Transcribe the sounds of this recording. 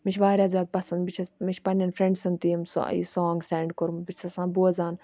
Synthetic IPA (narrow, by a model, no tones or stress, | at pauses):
mit͡ʃʰʋaːɾʲaːzʲaːd̪̚pɐsɐnbit͡ʃʰɐmit͡ʃʰʲpɐnʲɐnfɾẽɳɖsɐnt̪iːmsḭsɔːŋɡsɛːɳɖkʊɾmbit͡ʃʲʰsɐsãːbuɐzaːn